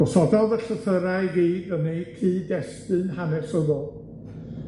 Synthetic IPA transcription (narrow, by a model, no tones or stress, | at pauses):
ɔsɔdɔðəɬəθəɾajɡiːdənejtʰiːdɛstɨnhanɛsəðɔlˠ